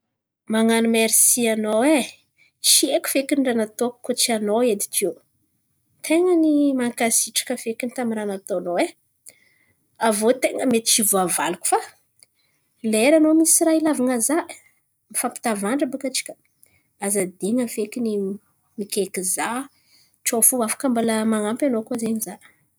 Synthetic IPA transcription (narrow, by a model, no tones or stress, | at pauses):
maŋanumeɾisianowe | t͡ʃieku̥fekiɳɖ͡ʐanat̪okkot͡ʃianoed̪i̥kew | t̪ʰeŋənimaŋkasiʈ͡ʂḁkəfekinit̪amiɾanat̪onowe | avot̪eŋəmet̪i̥t͡ʃivuavaluku̥fa | leɾanomisirailavaŋazaʔ | mifapi̥t̪avaɳɖ͡ʐəbukat͡ʃi̥kʲə̥ | azad̪eŋəfekini | mikʲekiza | ʈ͡ʂofuafḁkambaləmaŋampʲanokazeɲiza